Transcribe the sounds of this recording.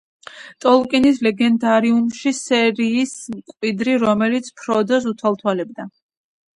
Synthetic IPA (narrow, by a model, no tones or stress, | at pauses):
t̪ʼɔlˠkʼinis̬lɛɡɛnd̪aɾiumʃisɛɾiːsmkʼwid̪ɾiɾɔmɛlit̪sʰpʰɾɔd̪ɔs̬ut̪ʰwalˠt̪ʰwalɛbd̪a